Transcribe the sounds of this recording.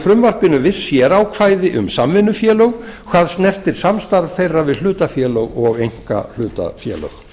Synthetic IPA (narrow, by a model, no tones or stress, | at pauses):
fɾʏmvar̥pɪnʏvɪðsːjɛɾaːwkʰvaːjðɪʔʏ̰msamvɪnːʏfjɛːlœɣkʰv̥aːðsnɛr̥t̪ɪɾ̥samst̪aɾv̥θejrːavɪðl̥ʏːt̪afjɛːlœɣɔɣejŋ̥ka̰l̥ʏːt̪a̰fjɛ̰ːlœ̰x